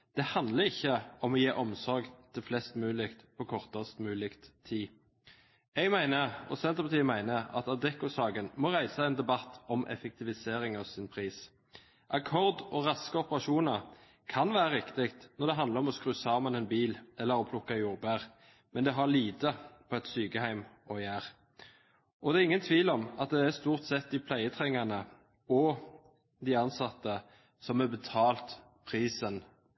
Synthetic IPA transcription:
d̪̥ɛhɑnd̪ləɪçːəɔmɔjeːʔɔmsɔɾɡt̪ʰɪlflɛst̪mʉːlɪkt̪pʰɔkʰɔʁt̪əst̪mʉːlɪkt̪ʰiː | ɛɡmæɪnəɔ̰sɛnt̪əpɑt̪iːəmæɪnəɑ̰t̪ɑd̪ɛkʊsɑːɡənmɔːʁæɪsɑɛnd̪ɛbɑt̪ːɔmʔɛ̰fɛk̚t̪ʰɪʋɪseːɾɪŋɑʋsɪnpʰʁiːs | ʔɑkʰɔʁd̪ɔɾɑskəɔpəʁɑʃuːnəʁ | kʰɑnʋæːɾəɾɪkt̪ɪkt̪nɔɾd̪ɛɦɑnd̪ləɔmɔskɾʉːsɑːmɑnɛnbiːlɛlːəɾɔpʰlʊkːɑjuːʁbæːʁ | mɛnd̪ɛɦɑliːt̪əpʰɔɛt̪syːkəhæɪmɔjæːʁ | ʔɔd̪ɛːɪŋːənt̪ʰʋiːlɔmɑt̪̚d̪ɛæst̪uːʁt̪sɛt̪̚d̪ɪpʰlæɪət̪ʰʁɛŋːɑnə | ɔ | d̪ɪɑnsɑt̪ːə | sɔmɛbət̪ʰɑːlt̪ | pʰʁiːsən

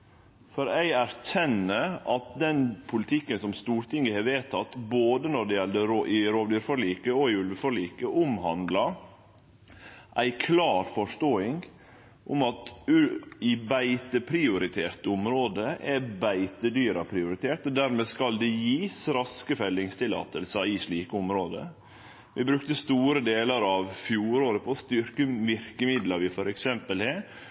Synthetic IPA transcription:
fɔɾæɪæɾçɛnːəʔɑt̪̚d̪ɛnpʰʊlɪt̪ʰɪkːənsɔmst̪uːɾt̪ʰɪŋːəhɑʋeːt̪ʰɑt̪ːboːd̪ənɔɖɛjɛlːəɾoʔɪɾoːʋd̪yːɾfɔɭiːkəɔɪʉlʋəfɔɭiːkəʔʊmhɑ̰nd̪lɑ | ʔæɪkʰlɑːɾfɔʂʈoːɪŋ | ʔʊ̰mɑt̪ʉɪbæɪt̪əpʰɾɪʊɾɪt̪ʰeːɾʈ̪ʊmɾoːd̪əʔɛbæɪt̪əd̪yːɾɑpʰɾɪʊɾɪt̪ʰeːʈɔd̪æɾmeːskɑld̪ɛjiːsɾɑskəfɛlːɪŋst̪ʰɪlɑ̰ːt̪əlsəɪʂɭiːkəʊmɾoːd̪ə̰ | ʋɪbɾʉk̚t̪əst̪uːɾəd̪eːləɾɑʋfjuːɾoːd̪əpʰɔst̪ʏɾkəʋɪɾkəmɪd̪ləɾʋɪfɔɾɛksɛmpəlheː

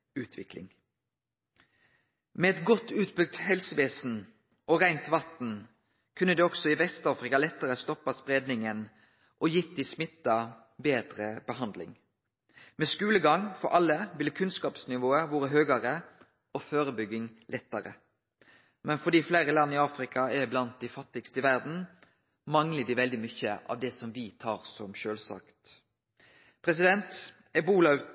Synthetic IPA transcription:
ʉːt̪ʰʋɪklɪ̰ŋ | mɛɛt̪ɡɔt̪ːʉːt̪bʏɡ̚t̪hɛlsəʋeːsn̩ | ɔʁæɪnt̪ʋɑt̪n̩ | kʰʉnːəd̪ɛːɔɡ̥sɔɪʋɛst̪ɑːfɾɪkɑlɛt̪ːəʁəst̪ɔpːɑspʁeːd̪nɪŋən | ʔɔjɪt̪ːɪsmɪt̪ːɑ | beːd̪ʁəbəhɑnd̪lɪ̰ŋ | mɛːskʉːləɡɑŋfɔɾʔɑlːəʋɪlkʰʉnskɑːpsnɪʋoːəʋoːɾəɦøːɡɑɾə | ɔføːɾəbʏɡɪŋlʔɛt̪ːəɾə̰ | mɛnfɔd̪iːfleɪɾəlɑnːɪɑːfɾɪkʰɑɛblɑnt̪̚d̪æɪfɑt̪ːɪɡst̪əɪʋæʁd̪n̩ | mɑŋləd̪ɪʋɛld̪ɪmʏçəʔɑ̰ʋd̪ɛsɔmʋɪt̪ʰɑːɾsɔmʃøːlsɑ̰kt̪ | pʰɾɛs̬ɪd̪ɛnt̪ | ɛbuːlɑʉ

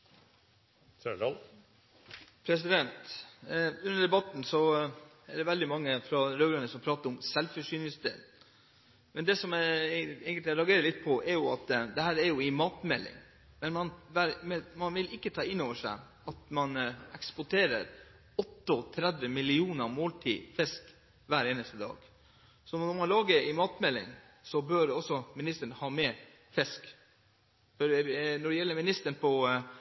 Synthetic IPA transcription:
pʰɾɛs̬ɪd̪ɛnt̪ | ʉnːəɖ̪ɛbɑt̪n̩sɔ | ɛɖɛʋɛld̪ɪmɑŋːəfɾɑɾøːɾənəsɔmpʰɾɑːt̪əɾɔmsɛlfœʂyːnɪsd̪ḛːd̪ | mɛnd̪ɛːsɔmæeːɡənt̪ɪɾɑɡeːɾəlɪt̪̚pʰɔʔɛɾjʊɑt̪d̪ɛhæːɾæɾjʊɪmɑːt̪mɛlːɪ̰ŋ | mɛnmɑnʋæɾmɛmɑnʋɪlɪkːət̪ʰɑːɪnːoːʋəʂæ̰ɪ | ɑt̪mɑnɛkspʊʈʰeːɾə̰ɾ | ɔt̪ːət̪ʰɾɛd̪ʋəmɪlɪuːnəɾmoːlt̪ʰḭːfɛsk | ʋæːɾeːnəst̪əd̪ɑ̰ːɡ̥ | sɔnɔɾmɑnlɑːɡəɾɪmɑːt̪mɛlːɪ̰ŋ | sɔbøɾɔsɔmɪnɪst̪ənhɑːmɛ | fɛsk | fɔɾnɔɖɛjɛlːəɾmɪnɪst̪ənpʰɔ

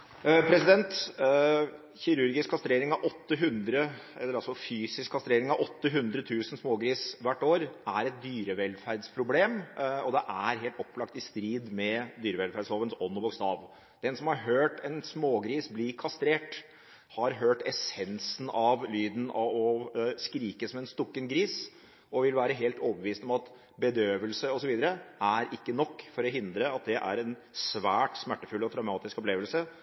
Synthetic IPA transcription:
pʰɾɛsɪd̪ɛnt̪ | çɪɾʉɾɡɪskʰːɑst̪ɾeːɾɪŋɑʋʔɔt̪ːəɦʉnd̪ɾəɛlːəɾɑlsɔfyːsɪskʰːɑst̪ɾeːɾɪŋɑʋʔɔt̪ːəɦʉnd̪ɾət̪ʰʉːsənsmoːɡɾiːsʋæʈːoːɾæɾɛt̪̚d̪yːɾəʋɛlfæɾd̪spʰɾʊbleːmɔd̪ɛʔæɾɦeːlt̪ɔpːlɑkt̪ɪst̪ɾiːd̪mɛd̪yːɾəʋɛlfæɖshoːʋənsɔnːɔbʊkst̪ɑːʋ | d̪̥ɛnsɔmhɑɾɦøːʈɛnsmoːɡɾiːsblɪkʰɑst̪ɾeːʈ | hɑɾɦøːʈɛsɛnsn̩ɑʋlyːd̪n̩ɔskɾiːkəsɔmɛnst̪ɔkːənɡɾiːs | ɔʋɪlʋæːɾəɦeːlt̪oːbəʋiːst̪ɔmɑt̪ | bəd̪øːʋəlsəɔsɔʋiːd̪əɾəæɾɪkːənɔkːfɔɾɔɦɪnd̪ɾəɑt̪̚d̪ɛʔæ̰ɾɛnsʋæːʈsmæʈːəfʉlːɔt̪ʰɾɑʉmɑːt̪ɪskɔpleːʋəlsə

